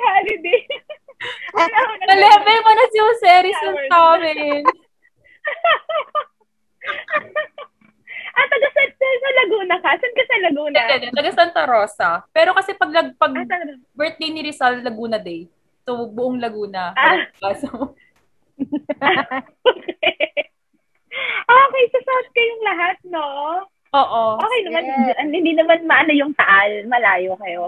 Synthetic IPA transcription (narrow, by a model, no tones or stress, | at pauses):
haɾɪd̪ɛ | ɐlɛmɛjmɐnɐsosɛːɾisɐt̪amɛ | ʔɐt̪ɐɡɐsɐsɐsɐlɐɡuːnɐkasɐnkɐsɐlɐɡuːnɛd͡ʒɛd̪ɛt̪ɐɡɐsɐnt̪ɐɾoːsɐpɛːɾokɐsɛpɐɡ̚lɐɡ̚pɐɡ | bɛɹt̪̚ːinɪɾɪsalt̪lɐɡuːnɐd̪ɛj | sobʊʔoŋlɐɡuːnɐaso | ok | ʔoːkɛjsɐsot͡ʃkɐjʊŋlɐɦat̪̚noʔ | ʔoːʔooːkɛjnɐmanʔɐnhɪnd̪iːnɐmanmɐʔɐnɐjʊŋt̪ɐʔalmɐlaːjokɐjo